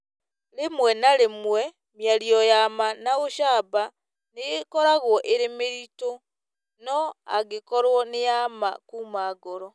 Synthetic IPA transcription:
lemwɛnalemwe | mjaliɔjamanaɣoʃaːba | neɣekɔɾaɣwɔʔeɾemeɾito | nɔa̰ɣekɔɾwɔnɪjama̰kuːmaːɡoɾɔ

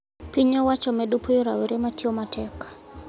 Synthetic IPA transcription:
piɲɔwat͡ʃɔmɛɗupʰɔjɔɾa̰wɛɾɛmatiɔmatʰɛkḁ

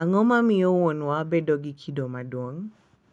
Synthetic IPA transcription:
aŋɔmamiowɔnwabɛdɔɡikʰidɔmadwɔŋ

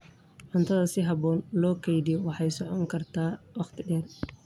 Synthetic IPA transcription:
ʕʊnt̪ʰɐðɐsɪɦɑβɔːnlɔːkʰɛjdijwɑħɑjsɔʕɔŋkʰɐrt̪ʰaːwɑqt̪ʰɪɖɛːr

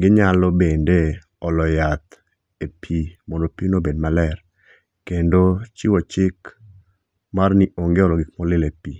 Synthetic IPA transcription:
ɡɪɲalɔbende | ɔlɔjat̪ | epʰimɔndopinobedmalɛr | kendot͡ʃiwɔt͡ʃɪk | marniʔoŋɡeɔlɔɡɪk̚mɔlɪlepi

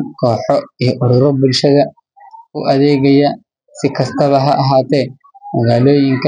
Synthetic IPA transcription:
kʰɔːħɔijɔʔʊɾʊɾɔbʊlʃɐðɐ | ʊʔɐðɛːɣɐjɐ | sɪkʰɐst̪ʰɐβɐɦɐʔɐɦaːt̪ʰɛː | mɐɣaːlɔːjɪŋkʰɐ

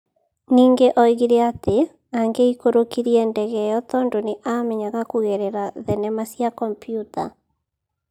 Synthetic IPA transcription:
niːŋɡeʔɔiɣiɾeate | aŋɡeikoɾokiɾiɛndɛɣɛjɔtɔndoneʔamɛɲaɣakuɣɛɾɛɾaðɛnɛmasjakɔmpijuta̰

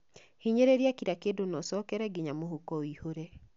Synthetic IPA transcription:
hiɲeɾeɾjakiɾakedonɔsɔkɛɾɛɡɪɲamoɦokɔoihoɾe

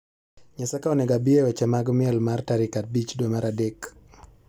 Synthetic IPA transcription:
ɲasakaɔnɛɡabiɛwɛt͡ʃɛmaɡɔmɪɛlmartaɾikat̚bit͡ʃdwemaɾadɛk

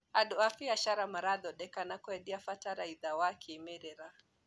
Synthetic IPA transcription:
aɗɔafiaʃaɾamaɾaðɔɗɛkanakɔɛɗiafataɾaiðawakʰɛmɛɾɛɾa

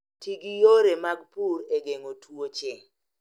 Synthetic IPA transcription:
tiɡijoɾemaɡpuɾeɡeŋotʰuot͡ʃɪŋ

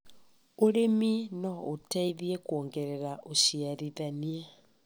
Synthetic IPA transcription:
oɾeminɔotaiðiekoːŋɡeɾeɾaʔoʃiaðiðania

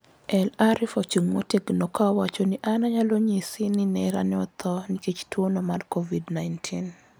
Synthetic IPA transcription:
ʔɛlaɾɪfɔt͡ʃuŋmoteɡnɔkawat͡ʃonɪʔanaɲaloɲisinɪnɛɾanɪɔt̪ʰɔnɪket͡ʃtwonomarkovidnajntʰin

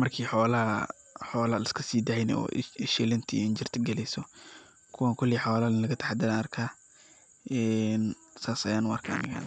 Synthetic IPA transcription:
mɐrkʰiːħɔːlɐ | ħɔːlɐlɐskʰɐsiːd̪ɐʕjnɛ̰ɔ̰ːɪʃɛlɐnt̪ʰiɪnd͡ʒɪrt̪ʰɪɡɛlɛjsɔ | kʰʊwaŋkʰʊlːiħɔːlɐlɐɣɐt̪ʰɐ̥ħad̪ɪlaɐrkʰaː | ɛːn | saːsɐjaːnwɐrkʰɐɐ̰nɪɣa̰ːn

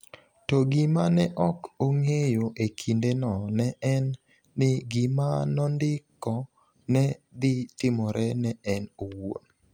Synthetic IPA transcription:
toɡɪmanɛʔɔkoŋejoʔekʰindenɔnɛʔɛnː | ɪɡɪmanɔndɪkːɔ | nɛd̪ɪtɪmɔɾʔɛnɛɛnowo̰n

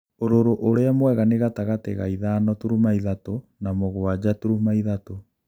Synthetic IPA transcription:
oɾoɾoʔoɾeamwɛɣaneɣataɣateɣa̰iðaːnɔtuɾumaiðatonamoɣwad͡ʑatuɾumaiðato

